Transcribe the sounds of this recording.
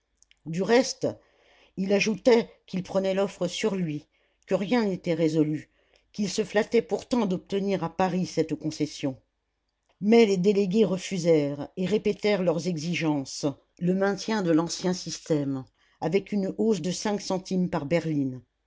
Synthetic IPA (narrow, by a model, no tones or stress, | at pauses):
d̪yʁɛst̪ | ilaʒut̪ɛkʲilpχənɛlɔfχəsyʁlɥi | kəʁjɛ̃net̪ɛʁezɔly | kʲilsəflat̪ɛpuʁt̪ɑ̃d̪ɔp̚t̪əniʁapaʁisɛt̪kɔ̃sɛsjɔ̃ | mɛled̪eleɡʲeʁəfyzɛʁeʁepɛt̪ɛʁlœʁzɛɡziʒɑ̃s | ləmɛ̃t̪jɛ̃d̪əlɑ̃sjɛ̃sist̪ɛm | avɛkynosd̪əsɛ̃ksɑ̃t̪impaʁbɛʁlin